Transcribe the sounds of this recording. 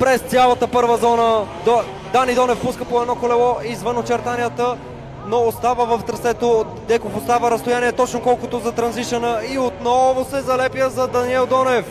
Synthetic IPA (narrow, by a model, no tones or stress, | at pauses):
pɾɛst̪sʲjalˠət̪əpɤɾvəzɔnəd̪ | d̪anid̪ɔnɛfpuskəpoɛd̪nɔkolɛlˠɔʔizvənot͡ʃɛɾt̪anijət̪ə | noːst̪avəvəft̪ɾɐsɛt̪o | d̪ɛkofost̪avəɾɐst̪ʊjaniɛt̪ɔt͡ʃnokɔlˠkot̪ʊzɐt̪ɾɐnziʃənəiot̪nɔvʊsɛzɐlɛpjəzɐd̪ɐniɛlˠd̪ɔnɛf